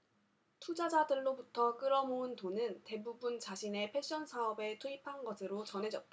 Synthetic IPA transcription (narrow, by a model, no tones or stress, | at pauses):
tʰud͡ʑad͡ʑadɯɭːobutʰʌk͈ɯɾʌmoɯntonɯnte̞bubunt͡ɕaɕʰine̞pʰe̞ɕ͈ʌnsʰaʌbe̞tʰoipʰanɡʌsʰɯɾot͡ɕʌnɦe̞d͡ʑʌt̚t͈a